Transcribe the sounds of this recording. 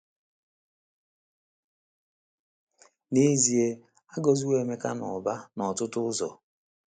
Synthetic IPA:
ne˦zi˨e˦ | a˦ɡɔ˨zu˦we˨me˦ka˦nɔ˨ba˦nɔ˨tʊ˦tʊ˦ʊ˦zɔ̰˨

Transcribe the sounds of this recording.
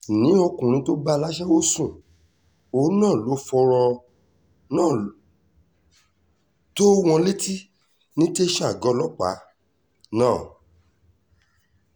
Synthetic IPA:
nĩ˨˦o˧kũ˨ɾ̃ĩ˧˦to˦ba˦la˦ʃɛ˦wo˦sũ˦˨ | o˨˦nãː˦˨lo˨˦fɔ˧ɾɔ˧ | nãː˦˨ | to˦w̃ɔ̃˧le˦ti˦ | nĩ˦te˦ʃɛ˦a˨ɡɔ˧˦lɔ˦k͡pa̰˨˦ | nãː˦˨

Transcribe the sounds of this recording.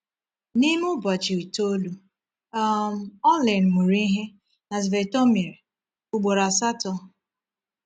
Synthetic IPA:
ni˦mʊ˦ba˨t͡ʃi˨i˨to˦lu˦ | a˦m̩˨˦ɔ˦le˨n˨ŋʷu˨ɾi˦ɦe˦ | na˨zve˨tɔ˦me˨ɾ | ʊ˨ɡ͡bo˨ɾa˨sa˦tɔ˦

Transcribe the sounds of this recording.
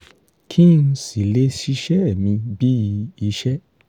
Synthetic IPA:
kʰi˦n̩˧˦si˨le˦ʃi˧ʃɛ˦˨mĩ˧bi˦i˧i˧ʃɛ˦

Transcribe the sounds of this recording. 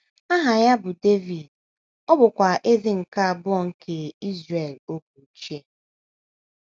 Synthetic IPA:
a˦ɦa˨ja˦bʊ˨de˦vi˨d | ɔ˦bʊ˨kʷa˨ʔe˦zi˦ŋ̩˨ka˦a˨bʊ˦ɔ˨ŋ̩˦kʰe˨i˦zɾe˨lo˦ku˨˦t͡ʃi˦e˦

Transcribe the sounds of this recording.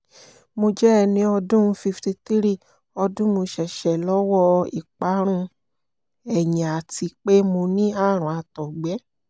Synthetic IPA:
mo˧d͡ʒɛ˦ɛ˦˧˨nĩ˨˦ɔ˧dũ˦˧˦fi˧fti˧t̪i˦ɾi˦˨ | ɔ˧dũ˦mõ˧ʃɛ˨ʃɛ˨lɔ˨˦wɔ˦ḭ˨k͡pa˨˦ɾ̃ũ˧ | ɛ˨jã˨a˨ti˧k͡pe˦mo˧nĩ˦a˦˨ɾ̃ũ˨a˧tɔ˨ɡ͡bɛ˨˦

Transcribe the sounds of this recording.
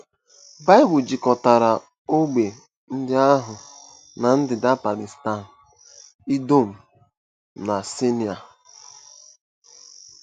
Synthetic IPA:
ba˦ɪ˦bʊ˨d͡ʒi˨kɔ˨ta˨ɾa˨ | o˦ɡ͡be˨ | n̩˦dɪ˦a˦ɦʊ˨ | na˨n̩˦dɪ˨da˦pa˨li˨sta˦˨n̩˨ | i˦do˦˨m̩˨ | na˨si˦ni˨a˨

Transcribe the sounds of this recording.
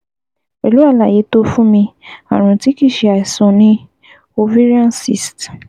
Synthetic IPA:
e˨lu˦a˦˨la˨je˨˦to˦fũ˦mĩ˧a̰˨ɾ̃ũ˨ti˨˦ki˦˨ʃe˧a˨i˨sɔ̃˨nĩ˦ | o˧vi˦ɾã˦nsḭ˦˨st

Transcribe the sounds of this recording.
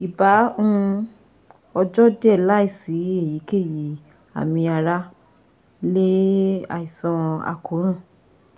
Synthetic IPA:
i˨ba˨˦ũ˦˧ | ɔ˧d͡ʒɔ˦dɛ˦˨la˦i˦˨si˨˦e˦˨ji˨˦ke˦˨ji˨˦ | a̰˨mĩ˧a˧ɾa˦ | le˦a̰˦˨i˨sã˧a̰˧kʰo˨˦ɾ̃ã˦˨

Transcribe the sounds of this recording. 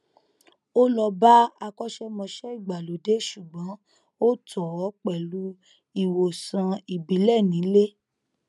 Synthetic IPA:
o˦lɔ˧ba˦a˧kɔ˦ʃɛ˦mɔ̃˧ʃɛ˦i˦˨ɡ͡ba˨lo˨˦de˦ʃu˨ɡ͡bɔ̃˨˦ | o˦tɔ˨ɔ˨˦k͡pɛ˨lu˨˦ | i˦˨wo˨sã˧i˨bi˨˦lɛ˦˨nĩ˨˦le˦

